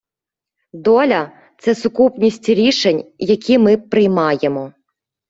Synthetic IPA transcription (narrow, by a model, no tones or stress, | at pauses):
d̪ɔlʲɐ | t̪sɛsʊkupnʲisʲtʲɾʲiʃenʲjɐkʲʰimɪpɾɪjmɑjemɔ